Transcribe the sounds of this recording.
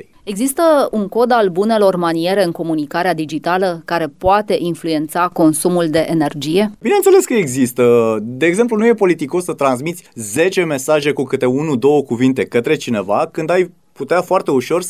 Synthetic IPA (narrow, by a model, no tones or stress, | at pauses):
e̞ɡzist̪əuŋko̞d̪albune̞lo̞rmanie̞ɾe̞ɨŋko̞munikaɾead̪id͡ʒit̪aləkaɾe̞poat̪e̞ʔinflue̞nt̪sako̞nsumuld̪e̞ʔene̞rd͡ʒije̞binent̪sele̞skəeɡzist̪əd̪e̞ːɡze̞mp̬lunuje̞po̞lit̪iko̞sːət̪ɾans̬mit̪sʲze̞t͡ʃe̞me̞saʒe̞kukɨt̪e̞unud̪o̞wəkuvint̪e̞kət̪ɾe̞t͡ʃine̞vakɨnd̪aj | put̪eafoart̪e̞uʃo̞r